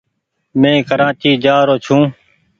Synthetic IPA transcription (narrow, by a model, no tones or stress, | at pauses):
mẽːkəɾãːt͡ʃiːd͡ʒaːɾoːt͡ʃʰũː